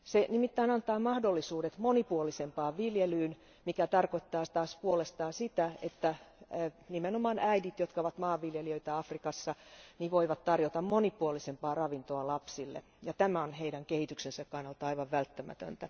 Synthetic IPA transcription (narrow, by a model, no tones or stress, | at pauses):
senimit̪ːæinɑnt̪ɑːmɑhdolːisuːdet̪monipuolisempɑːʋʋiljelyːn | mikæt̪ɑrkoit̪ːɑːt̪ɑːspuolest̪ɑːsit̪æet̪ːæ | nimenomɑːnʔæidit̪jot̪kɑoʋɑt̪mɑːʋʋiljeliøit̪æɑfrikɑsːɑniʋoiʋɑt̪tɑrjot̪ɑmmonipuolisempɑːrɑʋint̪oɑlɑpsilːḛ | jɑt̪æmæonheiɾæŋkehit̪yksensækkɑnːɑlt̪ːɑɑiʋɑʋʋælt̪ːæmæ̰t̪ø̰nt̪æ